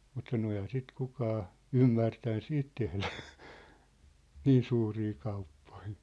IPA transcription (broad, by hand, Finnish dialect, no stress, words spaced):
mut sɑno ehæ sit kukɑː ymːærtæn siːt tehlæ niːn suːriː kɑupːo̥i̥